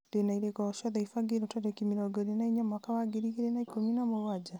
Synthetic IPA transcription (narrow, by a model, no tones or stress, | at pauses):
denaiɾekɔʃɔðaifaɡeɾotaɾekimiɾɔɡɔɾenaiɲamakawaɡeɾikeɾenaikominamoad͡ʒa